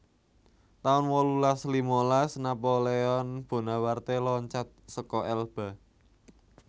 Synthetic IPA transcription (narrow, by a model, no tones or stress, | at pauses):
t̪aʊnwɔlulaslimolasnapoleɔnb̥o̤nawart̪elɔɲt͡ʃat̪̚səkɔʔɛlb̥a̤